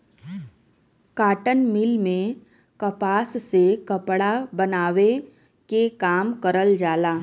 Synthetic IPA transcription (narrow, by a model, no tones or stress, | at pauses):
kaːʈənmɪlmẽ | kɐpaːssekɐpɽabɐnaːʋe | kekaːmkəɾəld͡ʒaːlaː